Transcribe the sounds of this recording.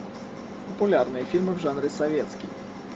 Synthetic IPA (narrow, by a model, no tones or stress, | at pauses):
pəpʊlʲarnɨjəfʲilʲmɨvʐanɾʲɪsɐvʲet̪skʲɪj